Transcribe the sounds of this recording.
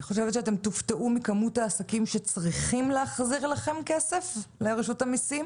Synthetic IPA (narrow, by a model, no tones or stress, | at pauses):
niχo̞ʃevet̪ʃeate̞mt̪ufteʔumikamutaːsakimʃe̞t͡sʁiχimleaχziʁlaχe̞mkese̞fleʁeʃutamisim